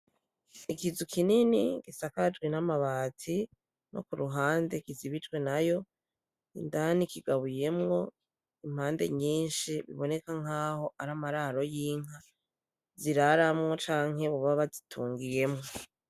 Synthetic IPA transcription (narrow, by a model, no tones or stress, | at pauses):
ikizukʰininiɡ̥isakad͡ʒɡwinamaβaːtʰi | nʔokuɾuɦaːnde̞kiziβit͡ʃɡwe̞najo̞ | ḭndanikiɡaβuje̞mŋo̞ | im̥haːnde̞̰ɲiːnʃiβiβo̞ne̞kaŋ̥aːho̞ʔaɾamaɾaɾo̞jiːŋa | ziɾaɾamŋo̞t͡ʃaːŋ̥he̞βuβaβazitʰuːŋɡije̞mŋ̞o